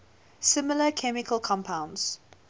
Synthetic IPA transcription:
sɪmələkʰɛmɪkʰəlˠkʰɔ̃mpʰãʊ̃ndz̥

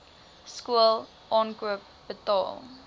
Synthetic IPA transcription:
skuəlˠ | ʔɑːnkuuəp̚ | b̥ətɑ̰ːlˠ

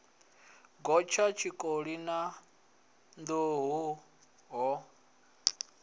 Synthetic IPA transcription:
ɡɔt͡ʃʰat͡ʃʰikʼoɺina | nd̪oɦu | ɦɔ

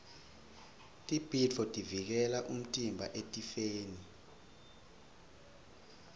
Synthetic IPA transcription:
tʼib̥ʱit͡fʰɔtʼivik̬ɛlaʔum̩tʼimbʱaʔetʼifeːni

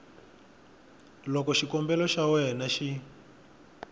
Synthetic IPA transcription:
lɔkɔʃikɔmbɛlɔʃawɛnaʃi

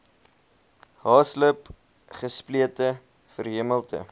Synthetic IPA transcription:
ɦɑːsləp | χəspliətə | fərɦiəməlˠtə̰

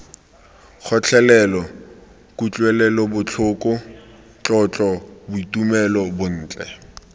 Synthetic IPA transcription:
k͡xʰɔt͡ɬʰɛlɛlɔ | kʼut͡ɬʼwɛlɛlɔbʊt͡ɬʰʊkʼʊ | t͡ɬʼɔt͡ɬʼɔbʊitʼumɛlɔbʊn̩ːt͡ɬʼɛ

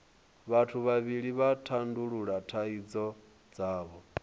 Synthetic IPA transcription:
βatʰuβaβiɺiβatʰanduɺuɺatʰaid͡zɔ | d͡zaːβɔ

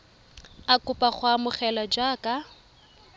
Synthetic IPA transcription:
akʊpʼaχwamʊχɛlad͡ʒaːka

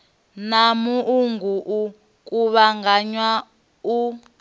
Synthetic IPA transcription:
namuʔuŋɡuʔu | kʼuβaŋɡaɲwa | u

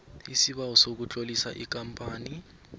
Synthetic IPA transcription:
isiɓawɔsok̬ut͡ɬʼolisa̰ʔik̬ʼampʼaːni

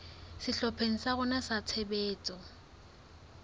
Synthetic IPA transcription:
sɪɬɔpʰeŋ̩saɣʊnasat͡sʰebeːt͡sʼɔ

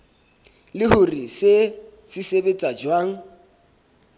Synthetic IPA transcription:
lɪhʊrisesɪsebet͡sʼad͡ʒwaːŋ̩

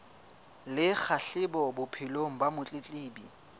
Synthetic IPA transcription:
lɪk͡xʰaɬɪbɔbʊpʰɪloŋ̩bamʊt͡ɬʼɪt͡ɬʼeːbi

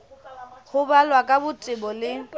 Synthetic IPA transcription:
χʊbalwakʼabʊtʼɪbɔlɪ

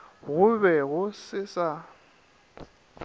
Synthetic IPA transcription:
ɣʊbɛɣʊsɪsa

